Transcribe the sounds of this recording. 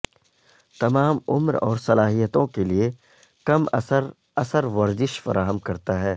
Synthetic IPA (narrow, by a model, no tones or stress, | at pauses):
t̪ɐmaːmʊ̰mɾɔ̰ːɾsɐlaːɦijət̪õkelie | kɐmɐ̰səɾ | ɐsəɾʋɐɾzɪʃfɐ̰ɾaːɦəmkɐɾt̪aɦɛː